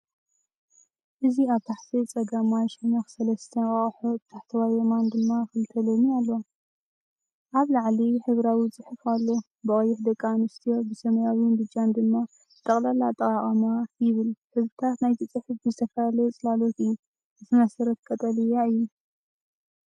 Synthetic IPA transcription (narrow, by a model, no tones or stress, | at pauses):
ʔɨziaβt̪ʰaħt̪ʰit͡sʼɐɡamaʃnaxsɐlɐst̪ʰɐnkʼɐχʼħobɨt̪ʰaħt̪ʰɐwajɛmand̪ɨmːaxɨlt̪ʰɐlomialːo̞ | ʔaβlaʕliħɨβɾawit͡sʼɨħɨfalːo̞ | bɨʔʼɐjːɪħd̪ɐkʼːanɨst̪ʰijo̞bɨsɐmɐjawɪnbɨd͡ʒand̪ɨmːa | ɨt̪ʼɐχʼlalat̪ʼɐqʼaqʼɐmajɪβɨlħɨzbɨt̪ʰat̪najt̪ʰɨt͡sʼɨħɨfdɨzɨt̪ʰɐfɐjalɐt͡sʼɨlalo̞t̪ɨjːu | zɨt̪ʰɨmɐsɐɾɐt̪̚kʼɐt̪ʼɐlɨjaɨjːu